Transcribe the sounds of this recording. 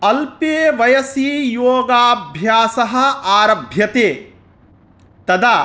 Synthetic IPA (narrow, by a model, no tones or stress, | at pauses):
ɐlpeːʋɐjɐsiːjoːɡaːbʱjaːsɐɦɐ̆aːɾɐbʱjɐt̪eː | t̪ɐd̪aː